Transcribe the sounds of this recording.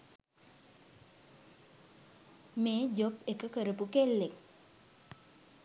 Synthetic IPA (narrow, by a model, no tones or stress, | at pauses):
meːd͡ʒopekəkəɾəpukelːek